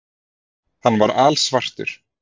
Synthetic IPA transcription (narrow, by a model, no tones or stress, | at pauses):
hanːvaɾaːlsvar̥t̪ʏ̰ɾ̥